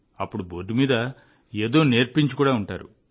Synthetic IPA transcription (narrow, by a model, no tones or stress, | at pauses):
ɐpːuɽuboːɖumiːd̪ɐ | eːd̪o̞ːneːɾpiɲt͡ʃu̥kuːɽaːuɳʈa̰ːɾṵ